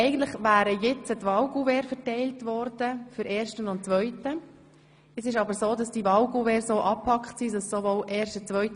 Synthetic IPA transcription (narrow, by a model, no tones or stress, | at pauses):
ɛɪɡən̩tləχʋæːɾəjɛt͡sətʋɑwɡuvɛːɾfəɾtɛɪltʋɔɾdəfyɾʔeːɾʃtənʊntt͡sʋœʏtə | ɛsɪʃɑbəɾsoːdɑsd̥iʋɑlɡuvɛːɾsoːʔɑpʰɑkχtsiːsɑsːoʋoːlʔɛːɾʃtət͡sʋœʏt